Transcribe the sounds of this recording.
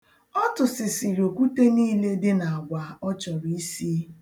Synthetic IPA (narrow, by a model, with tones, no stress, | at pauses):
ɔ˦tʊ˨sɪ˨sɪ˨ɾi˨o˨kʷu˦te˦niː˦le˦dɪ˦na˨a˨ɡʷa˨ɔ˦t͡ʃɔ˨ɾi˦i˦si˦